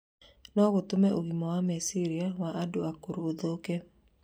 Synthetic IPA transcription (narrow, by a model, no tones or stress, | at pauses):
nɔɣotomɛʔoɣimɔwamesiɾiawaʔadoakuɾooðoke